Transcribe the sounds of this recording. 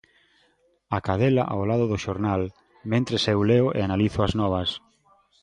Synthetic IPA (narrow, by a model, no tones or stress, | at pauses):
akaðela̰ʔawlaðʊðʊʃoɾnal | mẽnt̪ɾesewleoʔḛanaliθʊaznɔβ̞ɐs